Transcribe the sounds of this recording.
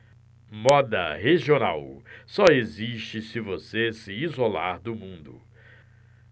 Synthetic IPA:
mɔd̪ɐ̰ɦeʒiona̰wsɔeziʃt͡ʃɪsɪvosesɪizola̰ɾd̪ʊmũnd̪ʊ̰

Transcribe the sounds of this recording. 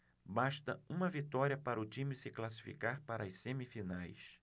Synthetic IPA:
baʃt̪ɐũmɐvit̪ɔɾʲiɐpaɾʊt͡ʃĩmɪsɪklasi̥fḭkaɾpaɾɐasẽmifinajs

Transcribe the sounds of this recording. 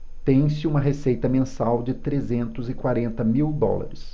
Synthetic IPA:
t̪ẽj̃sɪũmɐɦesejt̪ɐmẽsawd͡ʒɪt̪ɾezẽnt̪ʊzɪkwaɾẽnt̪ɐmiwd̪ɔ̰la̰ɾɪs

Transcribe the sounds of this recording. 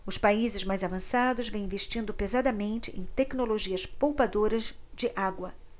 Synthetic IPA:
ʊspaizɪzmajzavɐ̃sad̪ʊzvẽĩveʃt͡ʃĩnd̪ʊpezad̪ɐmẽnt͡ʃɪʔḛ̃j̃t̪ɛknoloʒiɐspowpad̪oɾɐzd͡ʒɪʔaɡwɐ

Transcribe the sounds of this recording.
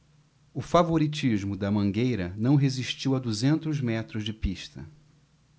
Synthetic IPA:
ʊfavoɾit͡ʃiʒmʊd̪ɐmɐ̃ŋɡejɾɐnɐ̃w̃ɦeziʃt͡ʃiwɐd̪uzẽnt̪ʊzmɛt̪ɾʊzd͡ʒɪpiʃt̪ɐ̰

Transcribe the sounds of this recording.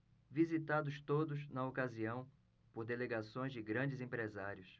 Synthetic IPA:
vizit̪ad̪ʊst̪od̪ʊsnɐokaziɐ̃w̃ | poɾd̪eleɡasõj̃zd͡ʒɪɡɾɐ̃d͡ʒɪzẽpɾezaɾjʊs

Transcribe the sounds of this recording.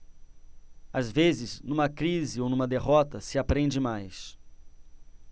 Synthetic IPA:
azvezɪznũmɐkɾizɪownũmɐd̪eɦɔt̪ɐsɪapɾẽd͡ʒɪmajs

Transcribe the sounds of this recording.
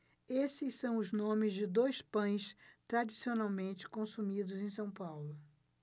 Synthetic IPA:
esɪssɐ̃w̃ʊznõmɪzd͡ʒɪd̪ojspɐ̃j̃st̪ɾad͡ʒisionawmẽnt͡ʃɪ̥kõsumid̪ʊzẽj̃sɐ̃w̃pawlʊ

